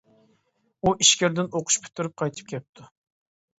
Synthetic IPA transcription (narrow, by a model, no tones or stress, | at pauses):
uʔiʃkʲɪɾd̪ɪnoqʰʊ̥ʃpʰy̥t̪ʰːyɾyp̚qʰɑjt̪ʰɨ̥p̚kʲʰɛp̚t̪ʰu